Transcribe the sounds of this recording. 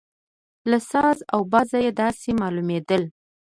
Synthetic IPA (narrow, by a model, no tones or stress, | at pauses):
lasɑzawbɑzajed̪ɑsemɑlumed̪əl